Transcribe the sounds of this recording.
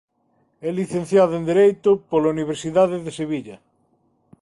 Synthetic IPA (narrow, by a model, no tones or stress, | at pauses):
ɛliθẽnθjaðʊend̪eɾejt̪ʊpolauniβ̞eɾsiðaðeðeseβiʎɐ